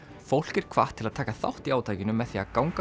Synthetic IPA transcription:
fowl̥cɪɾ̥kʰva̰ht̪ʰːɪlaðt̪ʰaːkaθa̰wht̪iaːwt̪ʰaːjcɪnʏmːɛðθia̰kaːwŋka

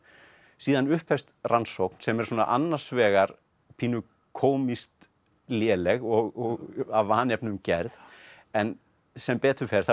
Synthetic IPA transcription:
siːðanʏhpɛst̪ransowkn̥sɛmɛɾ̥swɔːna̰ʔanːaɾ̥svɛːɣaɾ̥ | pʰiːnʏ | kʰoːwmist̪ | ljɛːlɛɣɔɣɔɣavːaːnɛpnʏmcɛ̰ɾð | ɛn | sɛmpɛːt̪ʏɾ̥fɛɾ̥θa

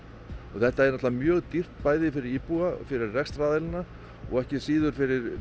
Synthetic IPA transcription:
ɔɣθɛht̪aɛɾnɔt̪lðamjœːɣt̪ir̥t̪paːjðɪfɪɾɪɾiːpuafɪɾɪrrɛxst̪ɾaðɛlɪna | ɔ̰ɣɛhcɪsiːðʏɾ̥fɪɾɪɾ

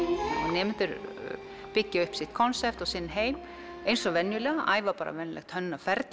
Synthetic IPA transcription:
nɛːmɪnt̪ʏɾ | pɪcːɪʏhpsɪht̪̚kʰɔnsɛp̚t̪ɔsɪnːɦeːjm | ejnsɔɣvɛnːjʏlɛːɣaʔa̰ːjvapaːɾa̰vɛnlʔɛ̰xt̪hœnːafɛɾt̪

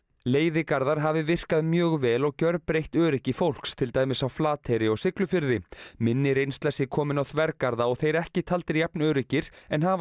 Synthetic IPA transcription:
leːjðɪkaɾðaɾ̥ɦavɪvɪr̥kaðmjœːɣvɛːlɔɣcœɾpɾejht̪œːɾɪhcɪfowl̥kst̪ʰɪlt̪aːjmɪsawflaːt̪ʰɛɾɪɔɣsɪklʏfɪɾðɪmɪnːɪɾejnst̪lasɪkʰɔːmɪnawθvɛɾkaɾðaɔɣθejɾɛhcɪt̪ʰalt̪ɪɾjapnœːɾɪhcɪɾ̥ɛnhav

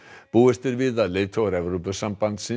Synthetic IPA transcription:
puːɛst̪ɪɾvɪːðaðleːjv̥t̪ʰowɣaɾɛvɾopʏsampant̪si

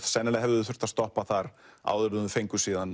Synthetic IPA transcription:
sɛnːɛlɛhɦɛvðʏðθʏɾ̥t̪ast̪ɔhpaθaɾa̰ːwðʏɾðʏfejŋkʏsiːðan

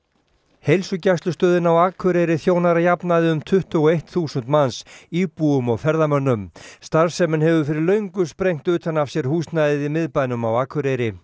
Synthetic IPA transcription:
hejlsʏcast̪ʏst̪œːðɪnawaːkʰʏɾejɾɪθjoːwnaɾajapnaðɪʏmt̪ʰʏht̪ʏɔejht̪θuːsʏnt̪mansiːpuʏmɔwfɛɾðamœnːʏmst̪aɾsɛmɪnhɛvʏfɪɾɪɾlœɥŋkʏspɾejŋ̥t̪ʏːt̪anafsjɛɾ̥huːst̪najðɪðɪmɪðpajnʏmawaːkʰʏɾejɾɪ

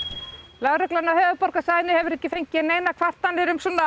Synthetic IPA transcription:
laɣɾɛklanahœːvʏpɔɾkasajðɪnɪhɛvʏɾɛhcɪfejɲcɪneːjnakʰvar̥t̪anːɪɾʏmsɔna

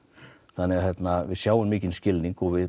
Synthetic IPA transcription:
θanːɛɣajɛt̪navɪðsjaːwʏnmɪːcɪnscɪlniŋkɔɣvɪ

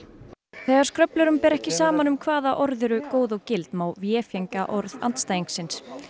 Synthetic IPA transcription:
θɛːɣaɾ̥skɾœplʏɾʏmpɛɾɛhcɪsaːmanʏmkʰvaːðaʔɔɾðɪɾʏkoːwðɔwcɪlt̪mawvjɛːfjɛŋkaʔɔɾða̰nt̪st̪ajiŋksɪns

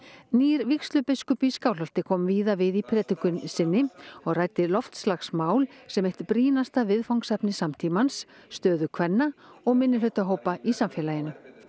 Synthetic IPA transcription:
niːɾvikst̪lʏpɪskʏpiskaːwlɔl̥t̪ɪkʰɔːmviːðavɪðipʰɾɛːt̪ɪkʏnsɪnːɪɔɣraːjt̪ɪlɔft̪slaxsmaːwlsɛmeht̪pɾiːnast̪avɪðfawŋksɛpnɪsamt̪ʰiːmansːt̪œːðʏkʰvɛnːaɔɣmɪnːɪlʏt̪ːaɦoːwpaisamfjɛːlajɪnʏ

